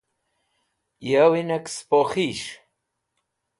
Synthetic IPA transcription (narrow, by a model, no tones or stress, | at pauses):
jawinakspoχiʃ